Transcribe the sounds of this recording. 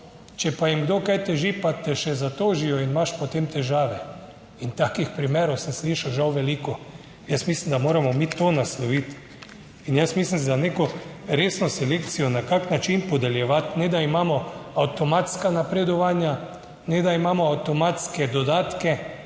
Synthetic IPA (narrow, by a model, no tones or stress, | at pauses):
t͡ʃɛpajimɡd̪oːkajt̪ɛʒipat̪ɛʃɛzat̪oːʒijɔinimaʃpɔt̪emt̪ɛʒaːʋɛ | int̪aːkixpɾimeːɾɔwsɛmsliːʃawʒawʋɛliːkɔ | jəsmislimd̪amoːɾamɔmit̪onaslɔʋit̪ | injəsmislimzaneːkɔɾeːsnɔsɛlekt̪sijɔnakaknat͡ʃinpɔd̪ɛljɛʋat̪nɛd̪aimaːmɔawt̪ɔmat̪skanapɾɛd̪ɔʋaːnja | nɛd̪aimaːmɔawt̪ɔmat̪skɛd̪ɔd̪aːt̪kɛ